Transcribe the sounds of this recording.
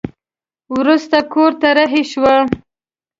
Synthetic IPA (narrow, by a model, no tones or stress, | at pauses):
wɾust̪akoɾt̪aɾaɦeʃwə